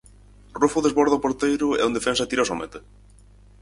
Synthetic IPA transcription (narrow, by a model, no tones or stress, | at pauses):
rufuðezβoɾðapoɾt̪ejɾʊɛ̰und̪efɛnsɐt̪iɾasomḛt̪e